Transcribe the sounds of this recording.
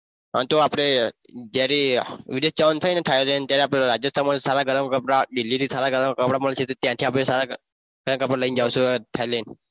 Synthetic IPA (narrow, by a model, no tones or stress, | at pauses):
ə̰nt̪oapɽ̃e | d͡ʒjaɾiʋiɾest͡ʃant̪ʰainet̪ʰaelent̪jaɾeapɽeɾad͡ʒəst̪ʰamãsalaɡəɾəmkəpɾaɖilːit̪ʰisalaɡəɾəmkəpɽaməlt͡ʃʰet̪ot̪jãt̪ʰiapɽesala | ɡəɾəmkəpɾaləind͡ʒawsut̪ʰaeleni